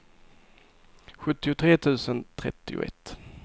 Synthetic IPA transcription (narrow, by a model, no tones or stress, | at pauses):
ɧɵt̪ːɪʊt̪ʰɾeːt̪ʰʉ̟ːsənt̪ʰɾɛ̰t̪ːɪʊ̰ʔɛ̰t̪ː